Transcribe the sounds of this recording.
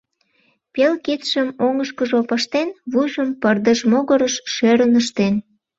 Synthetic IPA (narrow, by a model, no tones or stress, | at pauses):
pelkit̪ʃəmoŋəʃkəʒopɑʃt̪enβujʒəmpərd̪əʒmoɣəɾəʃʃeɾənəʃt̪en